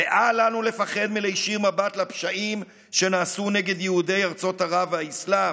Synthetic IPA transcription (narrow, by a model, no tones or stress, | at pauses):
eʔalanule̞faχe̞d̪milejʃiʁmabatlapʃaʔim | ʃe̞naːsune̞ɡe̞d̪jehude̞jaʁt͡so̞thaʁavhaisla